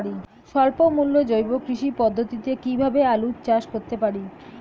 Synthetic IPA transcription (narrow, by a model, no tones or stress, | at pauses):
ɽi | ʃɔlpomulːod͡ʑojbokɾiʃipɔd̪ʱːot̪it̪ekibʱabealut̪̚t͡ɕaʃkoɾt̪epaɽi